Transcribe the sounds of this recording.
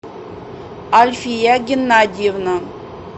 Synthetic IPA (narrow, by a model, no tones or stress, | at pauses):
alʲfʲijaɡʲɪnːadʲijevna